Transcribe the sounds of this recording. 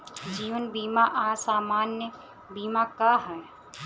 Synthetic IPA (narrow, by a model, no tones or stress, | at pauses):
d͡ʒiːʋənbiːmaʔaːsaːmaːnjə | biːmakaɦɛ